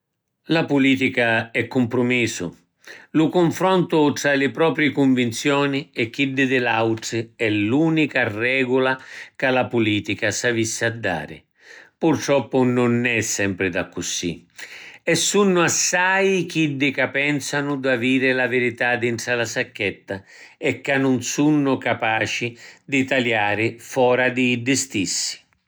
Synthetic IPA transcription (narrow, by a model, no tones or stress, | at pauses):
lapuliːt̪ikaɛkːʊmpɾʊmiːsʊ̰ | lʊkʊɱfɾɔnt̪ʊt̪ɾalɪpɾɔːpɾɪkuɱvint̪sjɔːnɪɛkːid̪ːɪd̪ɪlawʈɪɛluːnikarɛːɡʊlakalapuliːt̪ikasavisːɪad̪ːa̰ːɾɪ̰ | purt̪ɾɔpːʊnʊnːɛsːɛmpɾɪd̪akːusḭ | ɛsːunːʊasːajk̟id̪ːɪkapːɛnsanʊd̪aviːɾɪlavɪɾit̪ad̪int̪ɾalasakːɛt̪ːa | ɛkːanːʊnsunːʊkapaːt͡ʃid̪ɪt̪aljaːɾɪfɔːɾad̪ɪːɖːɪst̪isːi̥